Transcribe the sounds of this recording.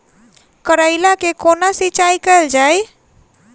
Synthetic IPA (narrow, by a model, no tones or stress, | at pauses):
kəɾaɪlakekoːnasit͡ʃaːikəəld͡ʒaːj